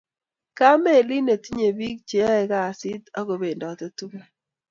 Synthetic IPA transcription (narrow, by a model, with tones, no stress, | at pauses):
ka˦me˦˨li˦ne˨ti˦ɲe˨bi˦k̚t͡ʃe˨˦ɛ˨ka˦˨sɪ˦t̪ɔ˦ko˨be˨ndɔː˨t̪e˦tu˦ke˦